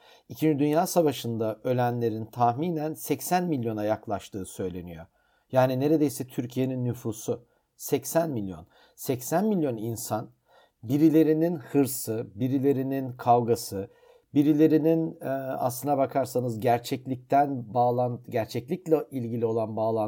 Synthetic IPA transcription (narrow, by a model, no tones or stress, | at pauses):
icʰind͡ʒid̪ynjaːsavaʃɯnd̪aø̞lʲænlʲe̞ɾint̪ʰahmiːnænsɛcsænmilʲjo̞najaklˠaʃt̪ʰɯːsø̞jlʲe̞nijo̞̰ | jaːnine̞ɾe̞d̪e̞jsɛt̪ʰyɾcʰije̞ninːyfuːsʊ | sɛcsænmilʲjo̞̰n | sɛcsænmilʲjo̞ninsan | biɾilʲe̞ɾininhɯɾsɯbiɾilʲe̞ɾininkʰalɡasɯ | biɾilʲe̞ɾinina̰slˠɯnabakʰaɾsanɯzɟæɾt͡ʃʰɛclʲic̚t̪ʰænbaːlˠanɟæɾt͡ʃʰɛclʲiclʲɛilʲɟilʲio̞lˠanbaːlˠa